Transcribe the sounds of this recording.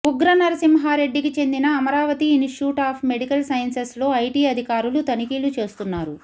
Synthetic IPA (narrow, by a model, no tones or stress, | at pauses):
uɡɾɐnɐɾɐsimɦaːɾe̞ɖːikit͡ʃe̞nd̪inɐːmɐɾaːʋɐt̪iːnʈjuːʈaːpʰme̞ɽikɐlsɐjɐnseslo̞ːɐjʈiːɐd̪ʱikaːɾulut̪ɐnikiːlut͡ʃe̞ːst̪unːaːɾu